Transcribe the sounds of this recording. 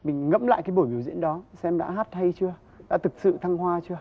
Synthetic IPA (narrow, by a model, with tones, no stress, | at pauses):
mï˨˩ŋ̟ŋə̰˧˥mla̰ː˧˨jkaː˨˦jɓo˧˩jɓi˨˦əwzḭ˧˥ənɗɔ˨˦sɛ˧mɗa̰ː˧˥ɦaː˦˥t̚ha˧jt͡ɕɨ˧ə | ɗa̰ː˧˥t̪ʰɨ˨˩k̚sɨ̰˧˨t̪ʰa˧ŋhwaː˧t͡ɕɨ˧ə